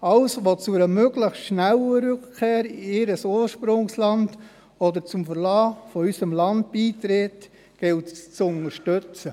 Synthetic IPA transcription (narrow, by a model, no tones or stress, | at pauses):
ɑlsʋot͡suɾəmøɡləxstʃnæləɾʏkkʰeːɾɪɪɾəsoːʃpɾʊŋslɑnd | ɔdəɾt͡sʊmfəɾlɑːfɔysəmlɑnd̚b̥iːtɾeːt | ɡ̥ɪltt͡sʊnəɾʃtøt͡sə